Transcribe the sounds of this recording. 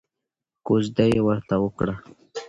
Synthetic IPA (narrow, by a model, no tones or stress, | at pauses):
kozd̪ajewəɾt̪awəkɽa